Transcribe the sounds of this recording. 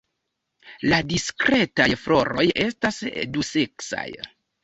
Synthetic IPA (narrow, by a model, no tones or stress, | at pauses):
ladiskɾe̞tajflo̞ɾo̞je̞stasduse̞ksa̰j